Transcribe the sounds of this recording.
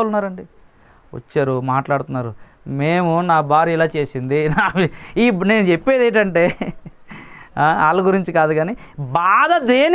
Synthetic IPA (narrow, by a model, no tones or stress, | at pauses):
lunːaːɾɐɳɖi | ʋɐ̰t͡ʃːaːɾumaːʈlaːɽut̪unːaːɾu | meːmunaːbaːɾiilaːt͡ʃe̞ːsind̪inaːiːne̞ːnut͡ʃepːe̞ːd̪eːʈ̬ɐɳʈe̞ː | aaːlːɐɡuɾiɲt͡ʃikaːd̪uɡaːnibaːd̪ɐd̪eːn